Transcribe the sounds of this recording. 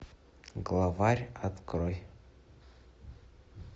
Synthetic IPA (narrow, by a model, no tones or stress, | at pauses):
ɡlˠavarʲat̪kroj